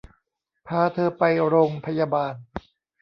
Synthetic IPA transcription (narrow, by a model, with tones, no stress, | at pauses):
pʰaː˧t̪ʰɤː˧pa˧jɾoː˧ŋpʰa˧jaː˧baː˧n